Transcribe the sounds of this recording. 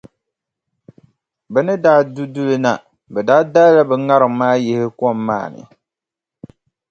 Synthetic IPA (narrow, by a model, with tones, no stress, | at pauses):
bɛ˨nɨ˦daː˦du˦du˦lɨ˦na˨ | bɛ˨daː˦da˦lla˦bɛ˨ŋa˦ɾɨ˨ŋmaː˦jɪ˦hɪ˦kɔ˦˨mːa̰ː˦˨nɨ̰˨